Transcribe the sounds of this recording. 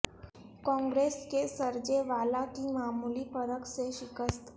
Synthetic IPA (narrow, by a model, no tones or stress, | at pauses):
kɔ̃ŋɡɾeskesəɾd͡ʒeʋalakimaːmulipəɾəkseʃikəst̪ʰ